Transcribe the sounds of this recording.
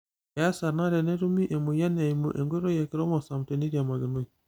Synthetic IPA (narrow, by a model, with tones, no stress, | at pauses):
ɛ˨ja˦sa˨ɾna˦ɾɛ˨nɛ˦ɾu˦mi˦ʔe˨mo˨ja˦na˨i˨mo˨ʔe˨ŋɡe˦ɾo˦jɛ˨ki˦ɾɔ˦mɔ˨sa˨m˨te˨ni˦ɾia˨ma˨ɡe˨no˦i˨